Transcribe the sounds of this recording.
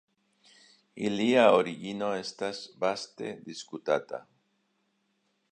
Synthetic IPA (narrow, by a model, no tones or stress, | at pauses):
iliaoɾiɣinoest̪asbast̪ḛd̪iskut̪a̰t̪a̰